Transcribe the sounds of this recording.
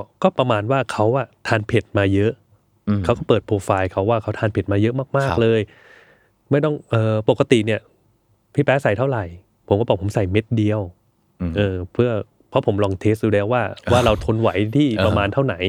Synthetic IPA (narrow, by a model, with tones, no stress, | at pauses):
kɔː˥˩pɾa˧maː˧nwaː˥˩kʰa˦˥wʔa˨˩t̪ʰaː˧npʰe˨˩t̪̚maː˧jɤ˦˥ʔʰ | a˦˥wkɔː˥˩pɤː˨˩t̪̚pʰoː˧faː˧jkʰa˦˥wːaː˥˩kʰa˦˥wt̪ʰaː˧npʰe˨˩t̪̚maː˧jɤ˦˥ʔmaː˥˩k̚maː˥˩k̚lɤː˧j | ma˥˩jt̪ɔ˥˩ŋʔɤː˨˧po˨˩kːa˧t̪i˨˩ni˥˩ɐ | pʰi˦˥˩pɛː˦˥sa˨˩jt̪ʰa˥˩wɾa˨˩j | pʰo˨˩˦mkɔː˥˩bɔː˨˩pʰo˩˦msa˨˩jme˦˥t̪̚di˧əw | ʔɤː˧˩pʰɯ˥˩ɐ | pʰɔ˦˥pʰo˩˦mlɔː˧ŋt̪ʰeː˦˥st̚juː˧lɛː˦˥waː˥˩waː˥˩ɾa˧wt̪ʰo˧nwa˩˦jt̪ʰiː˥˩pɾa˧maː˧nt̪ʰa˥˩na˩˦j